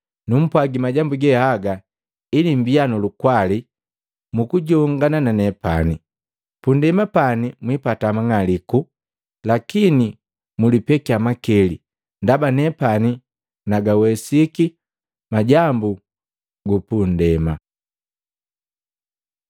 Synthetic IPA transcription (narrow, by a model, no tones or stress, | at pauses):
num̩pwaɡimaɟambuɡɛhaɡa | inimbianulukwali | mukuɟɔŋɡanananɛpani | pundɛmapanimwipatamaŋaliku | lakini | mulipɛkiamakɛlḭ | ndabanɛpani | naɡawɛsiki | maɟambu | ɡupundɛma